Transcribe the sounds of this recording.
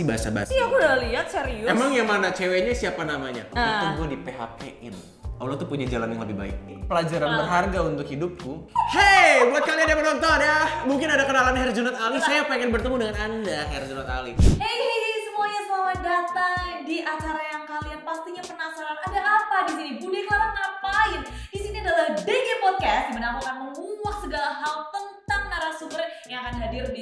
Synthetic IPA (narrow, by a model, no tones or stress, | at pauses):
ibaasa̰ba̰ijakudaliɦat̪̚sɛɾiʊemaŋjaŋmanat͡ʃeweɲasiapanamaɲa̰at̪uɡuadipeɦa̰keʔɪ̰n | ʔa̰lat̪upuɲad͡ʒalanjaŋləbɪhba̰ɪ̰k̚ | pəlad͡ʒaɾanbərɦarɡaunt̪ʊkhidʊp̚kuhebuat̪̚kalianjamənaŋt̪aɦanjamuŋkɪnadakənalaanɦɛrd͡ʒunat̪alisajapeŋɛnbərt̪əmudəŋanandaɦɛrd͡ʒunat̪a̰lḭesəmuaɲasəaladat̪aŋdiʔat͡ʃaɾajaŋkalianpast̪iɲapənasaɾanadaʔapadis̬inibulɪklaɾanapaɪndisiniadalahdeɡipɔd̚kast̪̚imanapakanməŋuwak̚səɡalaɦaut̪ənt̪aŋnaɾahsukərjaŋakanɦadirni